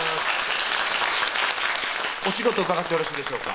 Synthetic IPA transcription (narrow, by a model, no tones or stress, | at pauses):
o̞ɕiɡo̞t̪o̞bakat̪ːeo̞ɾaɕiːd̪eɕo̞ːka̰